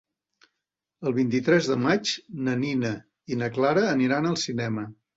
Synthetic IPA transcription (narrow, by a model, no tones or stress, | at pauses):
əlˠβ̞int̪it̪ɾɛzðəmat͡ʃnəninə | inəklaɾəːniɾanəlˠsinɛmə